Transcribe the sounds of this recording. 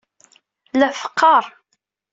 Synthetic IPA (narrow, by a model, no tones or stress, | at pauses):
læfə̥qʰːɑɾˤ